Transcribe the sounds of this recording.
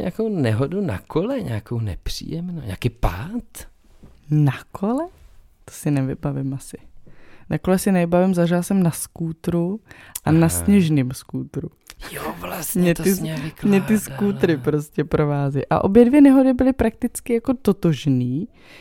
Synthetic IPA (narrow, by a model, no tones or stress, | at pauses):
ɲa̰ːkownɛɦoduna̰kʰolɛɲɛ̰akownɛ̰pr̝̥ḭːjɛmno̰ɲa̰ːkiːpaːt̪ | nakʰolɛ | t̪o̥sɪnɛvɪbavɪmasɪnako̞lɛsɪnɛvɪbavɪmzaʒɪlasɛmnaskuːt̪ɾuʔanasɲɛʒnimskuːt̪ɾu | aɲɛɪsmɲɛt̪ɪskuːt̪ɾɪpɾo̞scɛpɾo̞vaːzɪʔa̰ʔo̞bjɛdvjɛnɛɦodɪbɪlɪpɾak̚t̪ɪt͡skɪjako̞t̪o̞t̪oʒniː